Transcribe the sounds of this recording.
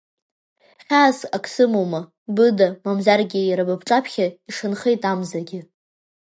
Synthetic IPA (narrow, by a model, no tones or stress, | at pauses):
χʲaːsakʰʼsɨmoma | bɨdamamzarɡʲɪjaɾabapʰʈ͡ʂʼapʰχʲaiʂɨnχejtʼamzaɡʲɪ